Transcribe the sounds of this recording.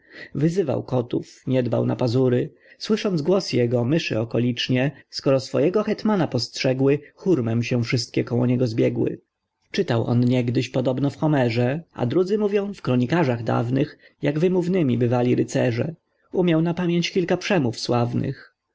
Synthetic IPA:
vɘzɘva̰wkɔt̪ufɲɛd̪ba̰wna̰pazuɾɘ | swɘʂɔnd̪zɡwɔsjɛɡɔmɘʂɘ̰ɔkɔlʲit͡ʂɲɛskɔɾɔsfɔjɛɡɔxɛt̪manapɔstʂɛɡwɘxuɾmɛmɕɛ̃fʂɘst̪̚kʲɛkɔwɔ̰ɲɛɡɔzbʲjɛɡwɘ̰ | t͡ʂɘt̪awʔɔ̰nɲɛɡd̪ɘɕpɔd̪ɔbnɔfxɔmɛʐɛa̰d̪ɾud̪zɘmuvʲjɔ̃w̃fkɾɔɲikaʐaɣd̪a̰vnɘx | jaɡvɘmuvnɘmʲibɘvalʲiɾɘt̪sɛʐɛ̰ | umʲjawnapamʲjeɲt͡ɕkʲilkapʂɛmufswavnɘ̰x

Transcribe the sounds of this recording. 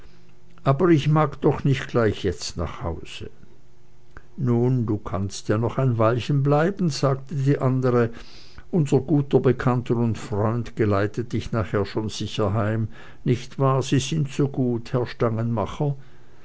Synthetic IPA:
ʔaːbɐʁɪçmaːɡd̥ɔχnɪçtɡ̥laɪçjɛt͡stna̰ːχha̰ʊz̥ə | nuːnduːkʰanstjaːnɔχaɪnvalçənblaɪbn̩z̥aːktədiːʔandəʁə | ʔʊnzɐɡuːtɐbəkʰantʰəʊntfʁ̥ɔʏndɡ̥əlaɪtəd̥ɪçnaːχheːɐʃoːnz̥ɪçɐɦaɪm | nɪçtv̥aːz̥iːzɪntsoːɡuːthɛɐʃtaŋənmaχɐ

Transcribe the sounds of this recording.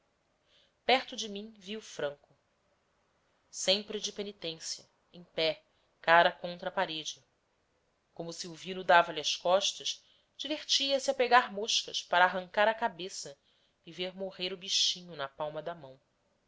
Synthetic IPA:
pɛχt̪ʊd͡ʒɪmĩɲviʊfɾɐ̃ŋkʊ | sẽmpɾɪd͡ʒɪpenit̪ẽsjɐ | ẽj̃pɛ | kaɾɐkõnt̪ɾɐpaɾed͡ʒɪ | kõmʊsiuvĩnʊd̪avɐliɐʃkɔʃt̪ɐʃ | d͡ʒiveɾt͡ʃiɐsɪɐpeɡaɾmoʃkɐʃpaɾaːɦɐ̃ŋkaɾɐkabesɐ | iveɾmoʁeɾʊbiʃĩɲʊnɐpawmɐd̪ɐmɐ̃w̃

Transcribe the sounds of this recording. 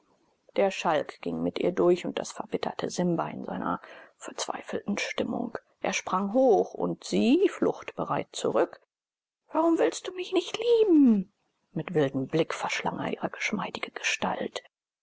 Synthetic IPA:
d̥eːɐʃalkɡ̥ɪŋmɪtʔiːɐdʊɐçʊnt̚d̥a̰sfɛɐbɪtʰɐ̰tʰəzɪmbɐɪ̰nza̰ɪnɐ̰fɛɐt͡sv̥a̰ɪfl̩tn̩ʃtɪmʊ̰ŋkʔeːɐʃpʁ̥aŋɦoːxʊ̰ntz̥iːflʊxtb̥əʁaɪtt͡sṵʁʏk | v̥aʁʊmvɪlst̚d̥uːmɪçnɪçtliːbm̩ | mɪtv̥ɪldm̩blɪkfɛɐʃla̰ŋʔḛɐʔiːʁəɡ̥əʃmaɪdɪɡ̥əɡ̥əʃta̰lt

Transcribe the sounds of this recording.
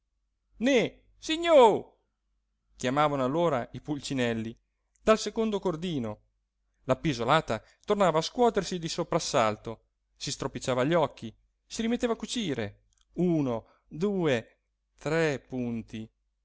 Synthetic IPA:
ne | siɲːo | kjamaːvanoalːoːɾaipult͡ʃinɛlːi | d̪alsekond̪okord̪iːno | lapizolaːt̪a | t̪ornaːvaːskwɔːt̪ersid̪isopɾasːalt̪o | sist̪ɾopit͡ʃːaːvaʎːɔkʰːi | siɾimet̪ːeːvakut͡ʃiːɾe | uːno | d̪uːe | t̪ɾɛpunt̪i

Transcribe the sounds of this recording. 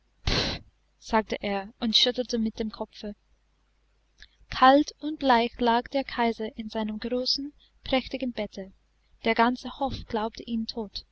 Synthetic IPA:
p | z̥aːk̚təʔeːɐʊntʃʏtl̩təmɪt̚d̥eːmkʰɔfə | kʰaltʊnt̚b̥laɪçlaːkd̥eːɐkʰaɪzɐʔɪnzaɪnəmɡʁoːsn̩ | pʁ̥ɛçtɪɡn̩bɛtʰə | d̥eːɐɡant͡səhɔfɡ̥laʊp̚tʰəʔiːntʰoːt

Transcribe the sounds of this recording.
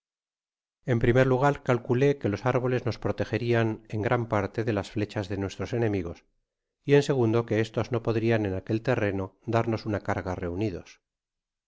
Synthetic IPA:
e̞mpɾime̞ɾluɣ̞aɾkalkule̞ke̞lo̞saɾβ̞o̞le̞zno̞spɾo̞t̪exe̞ɾiane̞ŋɡɾʔampaɾt̪e̞ðe̞lasfle̞t͡ʃazðe̞nwe̞st̪ɾo̞se̞nẽ̞miɣo̞s | ie̞nse̞ɣ̞und̪o̞ke̞est̪o̞zno̞po̞ðɾiane̞nake̞lt̪e̞re̞no̞d̪aɾno̞sunakaɾɣare̞uniðo̞̰s

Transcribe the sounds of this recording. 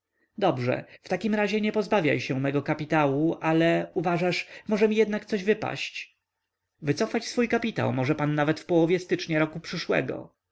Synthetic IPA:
d̪ɔbʐɛ̰ft̪akʲimɾaʑɛɲɛpɔzbavʲja̰jɕɛmɛɡɔkapʲit̪awuʔalɛuvaʐaʂmɔʐɛmʲijɛd̪nak̚t̪sɔʑvɘpa̰ɕt͡ɕ | vɘt̪sɔfat͡ɕsfujkapʲit̪a̰wmɔʐɛpanːavɛt̪fpɔwɔvjɛst̪ɘt͡ʂɲaɾɔkupʂɘʂwɛ̰ɡɔ̰

